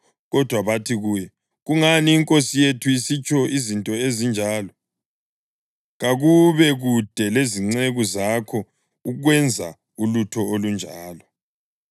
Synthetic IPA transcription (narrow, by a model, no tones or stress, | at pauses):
ɣɔd̥ʱwaβatʰiɣujɛ | ɣuŋaniːŋkʼosijetʰuisit͡ʃʰʼɔʔizintʼɔezind͡ʒʱaːlɔ | ɣaɣuβɛɣud̥ʱɛleziŋ͡ǀeɣuzakʰɔ | uɣwɛnd͡zʱa̰ | ulutʰɔolund͡ʒʱaːlɔ